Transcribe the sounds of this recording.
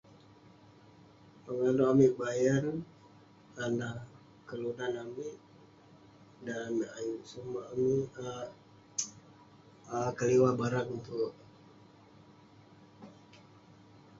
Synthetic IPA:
pəŋaloʔamiʔbajan | anah | kəludanamiʔ | dana̰juʔsumaʔamia | kəliwabaɾakunt̪ʊʔ

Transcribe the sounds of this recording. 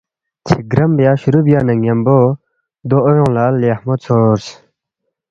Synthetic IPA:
t͡ɕʰəɡɾamjaɕuɾup̚janəŋampo | d̪oʔjoŋlalehmot͡sʰors

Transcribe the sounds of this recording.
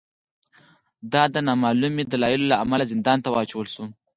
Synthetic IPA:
d̪ɑd̪ənɑmɑlumed̪alɑjilolaamalazɪnd̪ɑnt̪awɑt͡ʃawəlʃu

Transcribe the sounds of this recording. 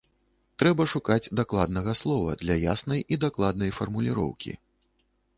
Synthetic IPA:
t̪ɾɛbɐʂukad͡zʲd̪aklˠad̪nɐɣɐslˠɔvɐ̰d̪lʲɐja̰snɐjid̪aklˠad̪nɐjfɐrmulʲiɾɔ̰wkʲḭ

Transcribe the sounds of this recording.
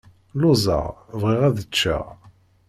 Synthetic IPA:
lʊzˤɑ̰ʁvʁɪʁæðət͡ʃːæ̰

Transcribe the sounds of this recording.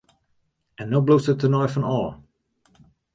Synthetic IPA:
ɛnːoblustətənɔjfɔnɔːlˠ

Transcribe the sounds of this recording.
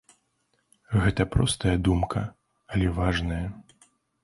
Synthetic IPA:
ɣɛt̪ɐpɾɔst̪ɐjɐd̪umkʰɐ | ɐlʲɛvaʐnɐjɐ

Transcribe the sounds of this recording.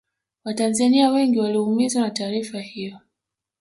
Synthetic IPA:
watanzaniawɛŋɡiwalihumizwanataːɾifahijɔ

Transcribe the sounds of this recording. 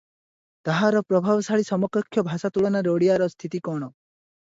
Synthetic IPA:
t̪aɦaɾɔpɾɔbʱabɔsaɭisɔmɔkɔkʰːjɔbʱasat̪uɭɔnaɾoɽijaɾɔst̪ʰit̪ikɔɽ̃ɔ

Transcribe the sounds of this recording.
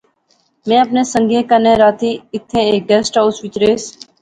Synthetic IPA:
mẽːəpneːsə̃ŋɡʱẽːkənẽːɾaːt̪ʰiːɪt̪ʰːẽːeːk̚ɡɛːsʈaʊsʋɪt͡ʃɾeːs

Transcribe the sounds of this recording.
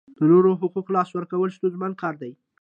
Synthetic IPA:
d̪̥ənoɾoɦʊquqlɑswəɾkawəlst̪ozmankɑɾd̪aj

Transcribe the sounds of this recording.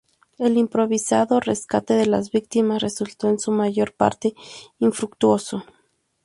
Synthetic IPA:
e̞limpɾo̞βisaðo̞reskat̪e̞ðe̞lazβik̚t̪imasre̞sult̪o̞ensumaʝo̞ɾpa̰ɾt̪e̞iɱfɾukt̪wo̞so̞

